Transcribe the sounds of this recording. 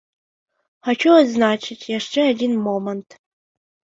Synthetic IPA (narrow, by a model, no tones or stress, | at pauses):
ħat͡ʃʰoɐznaːt͡ʃʰɪtʰʼjaʂʈ͡ʂʰʼɐadʲinmomɐntʰ